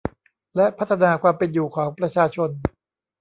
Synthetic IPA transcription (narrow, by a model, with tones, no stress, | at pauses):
lɛ˦˥ʔpʰa˦˥t̪ʰːa˧naː˧kʰwaː˧mpe˨njuː˨˩kʰɔː˩˦ŋpɾa˧t͡ɕʰaː˧t͡ɕʰo˧n